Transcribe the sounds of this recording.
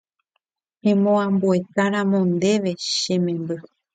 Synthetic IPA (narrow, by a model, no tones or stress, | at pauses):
ẽmõãmbue̞t̪aɾãmõnd̪e̞ʋe̞ʃẽ̞mẽ̞mbɨ